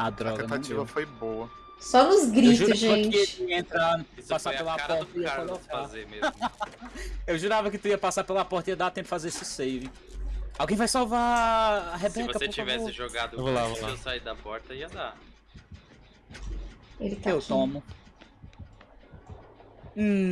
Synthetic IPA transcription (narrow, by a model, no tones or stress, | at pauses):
ad̪ɾɔɡɐnt̪ãt͡ʃd̪ievɐfojbowɐ | sɔnʊzɡɾiewtʒuɾʒẽɪt͡ʃɪiɐẽnt̪ɾapasaɾpelɐaɾpɐɔɾt̪ɐiɐaɾalfazemez | ewʒuɾavɐkɪt̪ʊiɐpasaɾpelɐpɔɾt̪ɐiɐd̪at̪ẽpʊ̥fazeɾsɪsejvĩ | awɡẽj̃vajsawva | ɦebsɛ̃vokɐpseoɾt͡ʃifvɛsoɪʒoɡad̪ʊvolavolsaid̪ɐpɔɾt̪ɐiɐd̪a | elɪt̪aewt̪õmʊ